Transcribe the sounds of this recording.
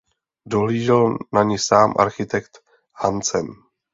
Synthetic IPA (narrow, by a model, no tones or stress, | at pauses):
doɦliːʒɪlnaɲɪsaːmʔa̰ɾxɪt̪ɛkt̪ | hant͡sɛm